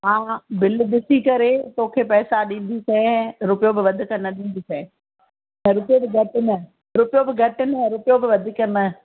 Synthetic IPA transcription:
ɦãːbɪlɗɪsikɐɾet̪oːkʰeːpɛːsaɗĩːn̆d̪isɛ̃ɾʊpɪjobɪʋɐd̪ʱʊ̆kɐnɐɗĩːn̆d̪isɛ̃ | ɐ̃ɾʊpijobɪɡʱɐʈɪnɐ | ɾʊpɪjobɪɡʱɐʈɪnɐ̃ɾʊpɪjobɪʋɐd̪ʱɪkɐnɐ

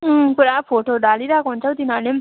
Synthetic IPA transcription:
puɾapʰoʈoɖaliɾakoɦunt͡sʰʌwt̪inʌɾnem

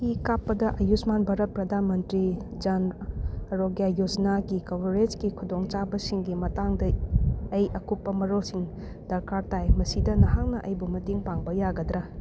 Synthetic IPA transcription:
ikapːɐdɐʔɐjusmanbʱaɾɐt̚pɾɐdʱanmɐntɾid͡ʒan | ɾoɡjajod͡ʒnaɡikɐwɾed͡ʒkikʰudoŋt͡ʃabɐsiŋɡimɐtaŋdɐː | jʔɐkupːɐmɐɾolsiŋ | d̥ɐɾkaɾtajmɐsidɐnɐɦaŋnɐʔɐjbumɐtiŋpaŋbɐjaɡɐdɾɐ

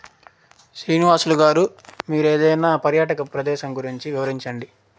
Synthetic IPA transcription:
sɾiːniʋaːsluɡaːɾumiːɾeːd̪ɐjnaːpɐɾjaːʈɐkɐpɾɐd̪ɛːʃɐmɡuɾiɲt͡ʃiʋiʋɐɾiɲt͡ʃɐɳɖi

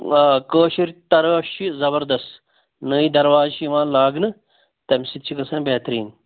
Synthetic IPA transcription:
koːʃiɾt̪ɐɾɐfʃʰizɐbɐɾd̪ɐst̪ | nəːid̪ɐɾwaːzʃiʋãːlaːɡnɨ | t̪ɐmʲsit̪̚t͡ʃʰikɐsɐ̃ːnbeːt̪ɾiːn

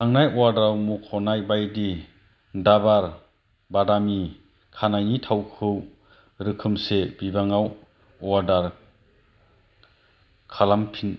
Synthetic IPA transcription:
aŋnajɔwaɾdawmukʰɔnajbajdi | dabaɾ | badami | kʰanajnitʰawkʰɯw | ɾɯkʰɯmsebibaŋaw | ɔwaɾdaɾ | kʰalampʰin

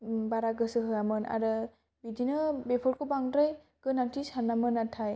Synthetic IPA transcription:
baɾaɡɯsɯɦɯjamɯna̰ɾɯ | bidinɯbepʰɔɾkʰɔbaŋdɾaj | ɡ̥ɯnaŋtʰisanamɯnatʰaj

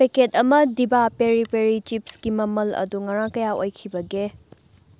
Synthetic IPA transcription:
eketɐmɐdibapeɾipeɾit͡ʃipsɡ̥imɐmɐlɐ̰duŋɐɾãŋkɐjaojkʰibɐɡe

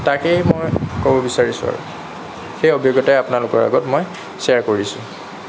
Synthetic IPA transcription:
takejmojkɔbɔbisaɹisʊ̰a̰ɹṵ | xejɔbʱijoɡɔtajapʊnalʊkɔɹa̰ɡɔtmoj | saɹkoɹisʊ̃

